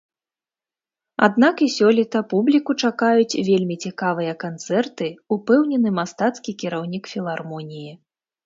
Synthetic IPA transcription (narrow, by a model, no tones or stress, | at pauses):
a̰d̪nakisʲɔlʲit̪ɐpublʲikut͡ʂakajut͡sʲvʲelʲmʲit͡sʲikavɨjɐkant̪sɛrt̪ɨupɛwnʲɛnɨmast̪at̪skʲikʲiɾawnʲikfʲilˠarmɔnʲiji